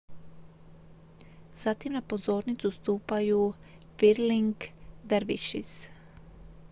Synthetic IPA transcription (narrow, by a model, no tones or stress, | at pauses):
z̥at̪imnapo̞zo̞ːɾnit̪sust̪uːpaju | ʋiɾliŋɡd̪eɾʋiʃḭs